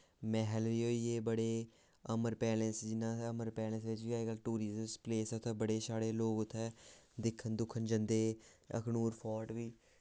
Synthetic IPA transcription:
mɛ̃ːɦɛlʋiːɦoːiːeːbəɽeː | əməɾpɛːlə̃sd͡ʒɪnãːəməɾpɛːlə̃sʋɪt͡ʃʋiːaɡəlʈuːɾɪzspleːsʊt̪ʰːɛːbəɽeːsaːɽeːloːkʊt̪ʰːɛːd̪ɪkʰənd̪ʊkʰːənd͡ʒənd̪eːə̰knuːɾpʰɔːʈʋiː

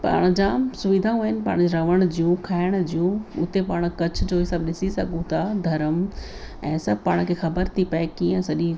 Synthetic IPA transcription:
pa̰ːɽ̃ʊd͡ʑãːsʊʋɪd̪ʱaũɦɪnɪ̆paːɽ̃d͡ʑiɾɐʋəɽ̃ʊd͡ʑijũkʰaːɪɽ̃d͡ʑijũʊt̪epaːɽ̃kɐt͡ɕʰʊd͡ʑoːɦɪsəbɗɪsisɐɡʱũt̪ʰad̪ʱɐɾəm | ɛ̃ːsɐbʱpaːɽ̃kʰeːxɐbəɾt̪ʰipɐekiːə̃sɐʄĩ

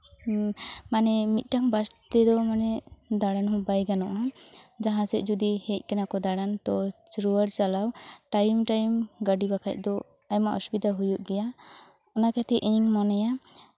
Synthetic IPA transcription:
manɛmit̪̚ˀʈaŋbast̪ɛd̪ɔmanɛd̪aɽanɦɔ̃bajɡanɔʔad͡ʒaɦãsɛʔ̚d͡ʒud̪ihɛc̚ˀkɛnakɔd̪aɽant̪ɔsɾuaɾt͡ʃalawʈajmʈajmɡaɖibakʰac̚ˀd̪ɔ | ajmaʔɔsubid̪ʱaɦujuʔɡɛja | ɔnakat̪ɛʔʔiɲiŋmɔnɛja

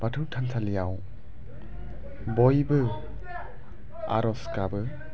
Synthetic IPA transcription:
b̥atʰɯwtʰantʰalijaw | bɔjbɯ | a̰ɾɔskabɯ

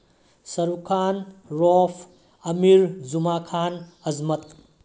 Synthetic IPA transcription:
sɐɾukʰanɾɔpʰ | ɐmiɾzumakʰanɐzmɐt̪̚

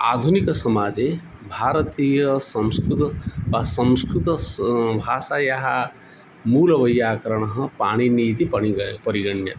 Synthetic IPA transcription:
a̰ːd̪ʱuniksɐmaːd͡ʒe | bʱaːɾət̪iːjɐsɐ̃wskɾut̪sɐ̃m̃skɾut̪ɐbʱaːsajaɦa | muːlɐʋɐjːaːkɐɾəɽ̃əɦə̃paːɽ̃iniːt̪ipɐipɐɾiɡɐɳjɐ̰t̪

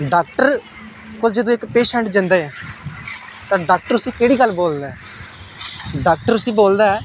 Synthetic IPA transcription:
ɖaːk̚ʈəɾ | koːld͡ʒəd̪õːɪkpeːʃə̃ɳʈd͡ʒə̃nd̪aːeː | t̪ãːɖaːk̚ʈəɾʊsĩːkeːɽiːɡəlːboːld̪aɛː | ɖaːk̚ʈəɾʊsĩːboːld̪aːɛː

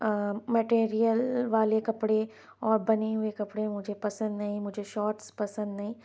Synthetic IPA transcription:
mɛʈeːɾijəlʋaːlekɐpɽe | ɔːɾbɐneɦʊekɐpɽemʊd͡ʒʱepɐsə̃nd̪nɐɦĩmʊd͡ʒʱeʃɔːʈspɐsə̃nd̪nɐɦĩː

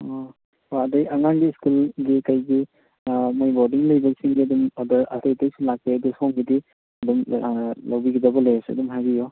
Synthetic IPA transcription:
ɔ | oɐdajaŋaŋɡiːskulɡikajɡi | mojbɔdiŋlɐjbɐɡsiŋɡiɐdumɔdɐɾɐ̰tajtajsulak̚peɐdusɔŋɡidi | ɐdumlawbiɡidɐbɐlejsɐ̰dumɦajɡijɔ

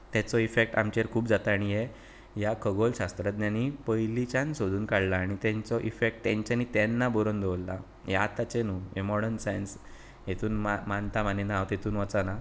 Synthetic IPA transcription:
t̪ɛt͡sɔifek̚ʈa̰mt͡ɕeɾkʰuːbd͡zat̪aɽ̃ije | jakʰəɡolɕast̪ɾət̪̚njanːipəjlit͡ɕãnsod̪ʱuːnkaɽlaːɽ̃it̪ɛ̃ɲt͡sɔʔifek̚ʈ̚t̪ɛɲt͡ɕanːit̪ɛnːabɔɾənd̪oʋlːa̰ | jat̪at͡ɕenuːemɔɽəɳʈsajns | jet̪ʰuːnmamant̪amaninaʋt̪jet̪ʰuːnʋat͡sana

